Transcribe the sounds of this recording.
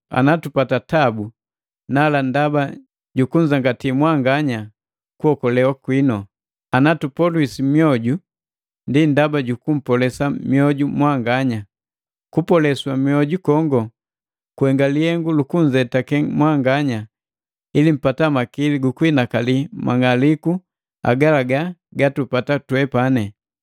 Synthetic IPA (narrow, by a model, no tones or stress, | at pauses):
a̰natupatatabu | nalandaba | ɟukuɲd͡ʒaŋɡatimwaŋɡaɲa | kuɔkɔlɛwakwinɔ | anatupɔlwisimjɔɟu | ndindabaɟukum̩pɔlɛsamjɔɟumwaŋɡaɲa | kupɔlɛswamjɔɟukɔŋɡɔ | kuɛŋɡalihɛŋɡulukuɲd͡ʒɛtakɛmwaŋɡaɲa | ilim̩patamakiliɡukwinakalimʔa̰ŋaliku | a̰ɡalaɡaɡatupatatwɛpanɛ